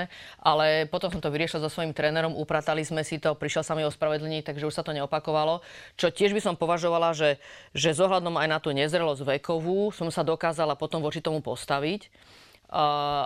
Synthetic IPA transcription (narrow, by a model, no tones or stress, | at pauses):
ʔalɛpɔt̪ɔmsɔmt̪ɔʋiɾɪɛʃilzɔsʋɔimt̪ɾɛːnɛɾɔmupɾaːt̪alizmɛsit̪ɔpɾiʃjɛlsamɛɔspɾaʋɛd̪l̩ɲiːt̪aɡʒɛuʃsat̪ɔɲɛɔpakɔʋalɔt͡ʃɔcɪɛʒbisɔmpɔʋaʒɔʋalaʒɛʒɛzɔɦlad̪ɔmajnat̪uːɲɛzɾɛlɔzɟʋɛkɔʋuːsɔmsad̪ɔkaːzalapɔt̪ɔmʋɔt͡ʃit̪ɔmupɔst̪aʋicː